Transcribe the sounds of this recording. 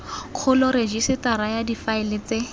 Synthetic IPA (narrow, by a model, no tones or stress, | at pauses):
q͡χʰʊlʊɾed͡ʒisɪtaɾajadifaɪlɪt͡se